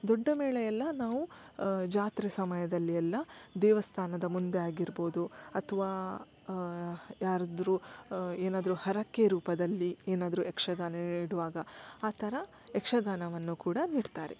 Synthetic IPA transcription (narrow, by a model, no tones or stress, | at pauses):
d̪ɔɖːɐmɛːɭɛjɛlːɐnaːʋu | d͡ʒaːt̪ɾisɐmɐjɐd̪ɐlːiɛlːɐd̪ɛːʋɐst̪ʰaːnɐd̪ɐmund̪e̞aːɡiɾbo̞ːd̪uɐt̪ʰɐʋaː | jaːɾɐd̪ɐɾueːnaːd̪ɐɾuhɐɾɐkːeɾuːpɐd̪ɐlːieːnaːd̪ɐɾuɛkʂɐɡaːnɐniːɽuʋaːɡɐaːt̪ʰɐɾɐ | ɛkʂɐɡaːnɐʋɐnːukuːɽɐniːɖt̪aːɾe